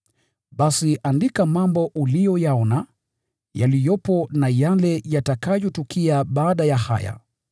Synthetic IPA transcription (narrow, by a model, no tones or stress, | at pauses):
ɓasiʔandikamambɔʔulijɔjaɔna | ja̰lijɔpɔnajalɛjatakajɔtukiaɓaːɗajaha̰ja̰